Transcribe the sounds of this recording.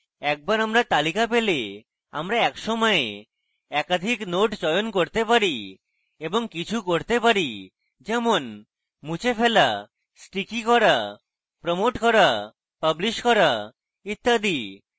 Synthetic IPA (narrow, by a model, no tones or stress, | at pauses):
ɛk̚baɾamɾat̪alikapele | a̰mɾaɛkʃɔmɔe | ɛkad̪ʱiknoʈt͡ɕɔjonkoɾt̪epaɾi | eboŋkit͡ɕʰukoɾt̪epaɾi | d͡ʑɛmon | mut͡ɕefʰela | sʈikikɔɾa | pɾomoʈkɔɾa | pəbliʃkɔɾa | it̪ːad̪i